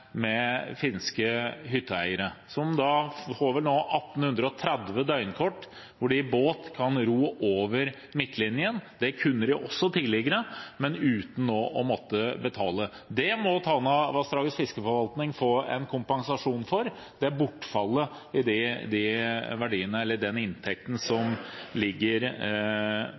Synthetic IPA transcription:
mɛfɪnskəɦʏt̪ʰːəæ̰ɪəɾəsɔmd̪ɑfoːʋɛlnoːʔɑt̪ːn̩hʉnd̪ɾəɔt̪ʰɾɛd̪ʋəd̪œʏnkʰɔʈː | ʋʊɖɪboːt̪kʰɑnɾuːʔoːʋəɾ | mɪt̪ʰːlɪnjənd̪ɛkʰʉnːəɾɪʔɔsːɔt̪ʰɪlɪɡəɾəmɛnʉːt̪n̩ːoːʔɔmɔt̪ːəbət̪ʰɑːlə | d̪ɛmɔt̪ʰɑːnɑʋɑst̪ɾɑːɡəsfɪskəfɔɾʋɑlt̪nɪŋfɔɛ̰nkʰʊmpɑŋsɑʂuːnfɔɾ | d̪̥ɛæɾbʊʈːfɑlːə | ɪd̪ɪd̪ɪʋæɖiːənəɛlːəɖɛnɪnt̪ʰɛk̚t̪n̩sɔmlɪɡːəɾ

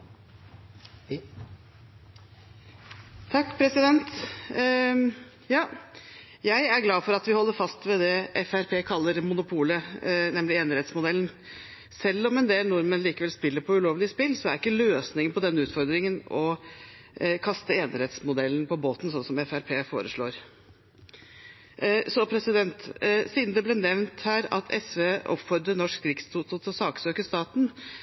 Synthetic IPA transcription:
t̪ʰɑkːpʰɾɛsɪd̪ɛnt̪ | jɑː | jæɪæɾɡlɑːfɔɾɑt̪ʋɪhɔlːəɾfɑst̪ʋɛd̪ɛʔɛfæɾpʰeːkʰɑlːəɾmʊnʊpʰuːlənɛmlɪeːnəɾɛt̪smʊd̪ɛln | sɛlːɔmɛnd̪eːlnʊɾmənliːkəʋɛlspɪlːəɾpʰɔʉloːʋlɪəspɪlːsɔæɾɪkːəløːsnɪŋənpʰɔd̪ɛnːəʉːt̪fɔɾd̪ɾɪŋənɔ | kʰɑst̪əeːnəɾɛt̪smʊd̪ɛlːn̩pɔboːt̪n̩sɔnsɔmɛfæɾpʰeːfo̰ːɾəʂɭo̰ːɾ | sɔpʰɾɛsɪd̪ɛnt̪siːd̪n̩d̪ɛbleːnɛʋnt̪hæːɾɑ̰t̪ʰɛsʋeːɔ̰pfɔɾd̪ənɔʂkɾɪkst̪ʰut̪ʊt̪ɔsɑːksøːkəʂt̪ɑːt̪n̩

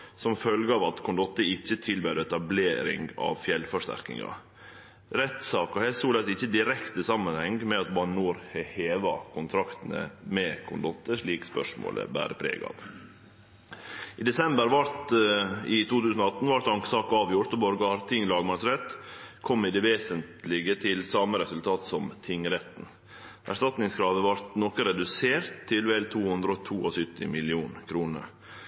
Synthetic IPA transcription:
sɔmfœlɡəɑːʋɑt̪kʰʊnd̪ɔt̪ːəɪçːət̪ʰɪlbøːɾɛt̪ɑbleːɾɪ̰ŋɡɑ̰ʋfjɛlfɔʂt̪æ̰ɾkɪ̰ŋɑ̰ | ɾɛt̪sɑːkɑhɛsuːlɛsɪçːəd̪ɪɾɛkt̪əsɑmːənhɛŋɡmɛɑt̪bɑnuːɾhɛheːʋɑkʰʊnt̪ʰɾɑkt̪ən̩ə̰mɛkʰʊnd̪ɔt̪ːəʂɭiːkspœ̰ʂmo̰ːlə̰bæ̰ːɾəpʰɾḛːɡɑ̰ʋ | ɪːd̪ɛsɛmbəɾʋɑɾt̪ɪt̪ʰuːt̪ʰʉːsnɔɑt̪ːn̩ʋɑɾt̪ɑŋksɑːkɑːʋjʊɾʈ̪ɔbɔɾɡɑɑɾt̪ʰɪŋːlɑːɡmɑsɾɛt̪kʰɔmːɪd̪ɛʋeːsənt̪lɪɡət̪ʰɪlsɑməɾɛsʉlt̪ʰɑːt̪sɔmt̪ʰɪŋɾɛt̪n̩ | ʔæ̰ʂtɑt̪nɪŋskʰɾɑːʋəʋɑɾt̪nɔkəɾɛd̪ʉseːɾt̪ʰːɪlʋɛlt̪ʰuːhʉnd̪ɾəɔt̪ʰuːɔsʏt̪ːɪ̰mɪlɪuːnkʰɾuːnə̰ɾ

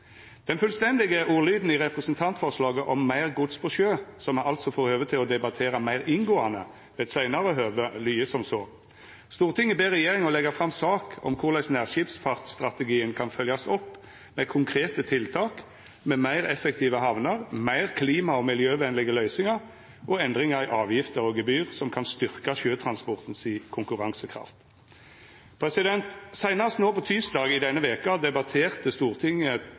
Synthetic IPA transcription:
d̪̥ɛnfʉlst̪ɛnd̪ɪɡəʔuːlyːd̪n̩ɪʁɛpʁɛsnt̪ʰɑnt̪fɔʁʂlɑːɡəʔɔmːæɪʁɡʊt̪spʰɔʃøːsɔmʔɑlt̪sɔfoːʁhøːʋət̪ʰɪlɔd̪ɛbɑt̪ʰeːɾɑmæɪʁɪŋɡoːɑnə̰ | ʋɛːd̪sæɪnɑɾəɦøːʋəlyːəsɔmsoː | st̪uːʁt̪ʰɪŋːɪbeːʁɛjeːʁɪŋɔlɛɡɑfʁɑmsɑːkɔ̰mkʰʊʁlæɪsnæʁʃipspʰɑʁt̪st̪ʁɑt̪əɡiːənkʰɑnfœljɑsɔpː | mɛkʰʊŋkʰʁeːt̪ət̪ʰɪlt̪ʰɑːk | mɛmæɪʁɛfɛkt̪ʰiːʋəhɑʋnɑʁmæɪʁkʰliːmɑɔmɪljøːʋɛnlɪɡəlœʏsɪŋɑʁ | ʔɔɛnd̪ʁɪŋɑɾɪʔɑːʋjɪft̪əʁɔɡɛbyːʁsɔmkʰɑnst̪ʏʁkɑʃøːt̪ʰʁɑnspɔʁt̪n̩siːkʰʊŋkʉʁɑŋsəkʰʁɑ̰ft̪ | pʰɾɛsɪd̪ɛnt̪sæɪnɑst̪noːpɔt̪ʰyːsd̪ɑːɡɪd̪ɛnːəʋeːkɑd̪ɛbɑt̪ʰeːʁt̪əst̪uːʁt̪ʰɪŋːə

